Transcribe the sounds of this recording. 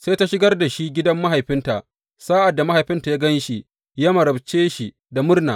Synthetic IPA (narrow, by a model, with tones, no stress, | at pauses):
se˦ta˦ʃɪ˦ɡɐ˦rda˨ʃi˦ɡʲɪ˦dɐ˦mːa˦ɦa˨jɸɪ˦nta˨ʔ | saː˦ʔa˨dːa˨ma˦ha˨jɸɪ˦nta˨jaː˦ɡɐ˦nʃi˨ | ja˦mɐ˨ɾɐ˨bt͡ʃeː˦ʃi˨ | da˨mʊ˦rna̰ː˨